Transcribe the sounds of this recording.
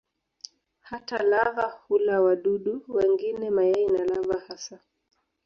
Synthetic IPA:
hatalaɣahulawaɗuɗuwɛŋɡinɛmajɛinalavahasa

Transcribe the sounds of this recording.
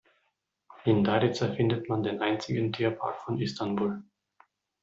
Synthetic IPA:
ʔɪndaɾɪt͡safɪndətmandeːnʔaɪnt͡sɪɡən̩tʰiːɐpʰa̰ɐkfɔnʔɪstanbuːl

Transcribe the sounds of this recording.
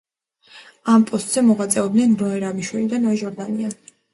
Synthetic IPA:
ampʼɔst̪ʼz̥ɛmɔʁat̪sʼɛɔb̚d̪ɛnɾɔɛɾamiʃwɛlid̪anɔɛʒɔɾd̪ania

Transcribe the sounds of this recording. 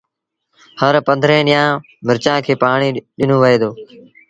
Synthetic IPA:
həɾpə̃nd̪ʱɾẽːɗɪjãː | mɪɾt͡ʃãːkʰeːpaːɳ̃iːɗɪnõːʋəɦeːd̪oː

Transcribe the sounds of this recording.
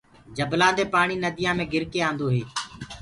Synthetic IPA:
d͡ʒəblãːnd̪eːpaːɳiːnəd̪ɪjãːmẽːɡɪɾkeːãːnd̪oːɦeː

